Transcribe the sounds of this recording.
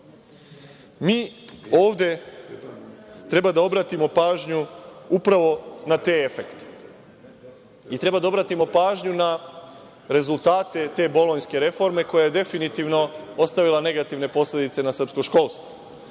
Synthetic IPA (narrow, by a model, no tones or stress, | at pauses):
miːo̞ːʋd̪e̞ | t̪ɾe̞bad̪ao̞bɾat̪imo̞paːʒɲuupɾaʋo̞nat̪eefekt̪e̥ | it̪ɾe̞bad̪ao̞bɾat̪imo̞paːʒɲuna | ɾe̞zulˠt̪aːt̪e̞t̪e̞ːbo̞loɲske̞ɾe̞fo̞ɾme̞ko̞jajed̪e̞finit̪iʋno̞o̞st̪aʋilane̞ɡat̪iʋne̞po̞slʲe̞d̪it̪se̞nasr̩pskoʃko̞ːlˠst̪vʋo